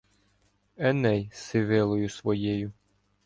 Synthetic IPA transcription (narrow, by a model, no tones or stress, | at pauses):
ɛnɛjsɪʋɪlˠɔjʊsʋɔjejʊ